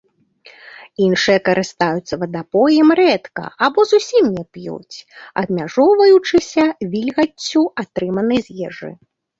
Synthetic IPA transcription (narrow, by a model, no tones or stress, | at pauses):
inʂɨjɛkɐɾʔɨst̪ajut̪sɐvɐd̪apɔjɛmɾɛt̪kɐ̰abɔzusʲimnʲɛpjṵt͡sʲɐ̰bmʲaʐɔwvɐjut͡ʂɨsʲɐvʲilʲɣɐt͡sʲːuat̪ɾɨmɐnɨjzʲjɛʐɨ̰